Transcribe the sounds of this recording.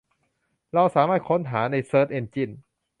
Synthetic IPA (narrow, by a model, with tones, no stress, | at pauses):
ɾa˧wsaː˨˦maː˥˩t̪̚kʰo˧˥˨nɦaː˩˦na˧˩jsɤː˧˩t̪ʔe˧˩nt͡ɕi˧˩n